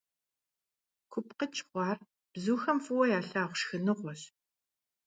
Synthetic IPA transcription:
kʷʰʊpqət͡ʃʰʼχʷɑːr | b̥zuːxɐmfɨwɐjaːɬaːʁʷʃxɨnɨʁʷɔɕ

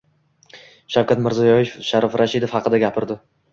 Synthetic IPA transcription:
ʃawkʰʲat̪mɪɾzijɒjefʃaɾɒfɾaʃɪd̪ofhɑqɨd̪aɡʲapʰɪɾd̪ɪ

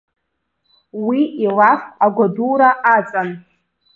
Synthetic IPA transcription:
wiilafaɡʷaduɾaʔat͡sʼan

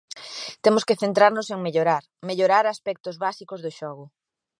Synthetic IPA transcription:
t̪emʊskeθent̪ɾaɾnʊseŋmeʎoɾaɾ | meʎoɾaɾaspɛk̚t̪ʊzβasikozðʊʃɔɣʊ

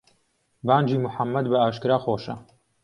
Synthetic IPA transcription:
baːnd͡ʒiːmʊħamːɐd̪bɐaːʃkɨɾaːxoːʃɐ̰

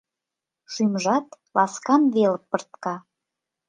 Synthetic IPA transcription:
ʃymʒɑt̪ | lɑskɑnβeləpːərt̪kɑ

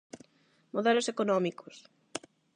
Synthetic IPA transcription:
moðɛlosekonɔmikos

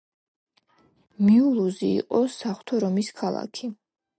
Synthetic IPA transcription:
miulˠuzḭːqʼɔsaχw̥t̪ʰɔɾɔmiskʰalˠa̰kʰi

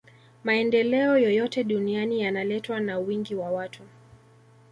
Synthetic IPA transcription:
maɛndɛlɛɔjɔjɔtɛɗunianijanalɛtwanawiŋɡiwawatʰu

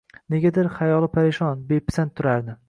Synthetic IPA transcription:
ne̞ɡʲad̪ɪɾχajɒlˠɪpʰaɾeʃɒnbepʰɪ̥sant̪ʰʊɾaɾd̪ɪ

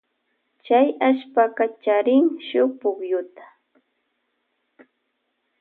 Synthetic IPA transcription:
t͡ʃajaʃpakat͡ʃaɾɪŋʃʊpʊkjʊt̪ḁ

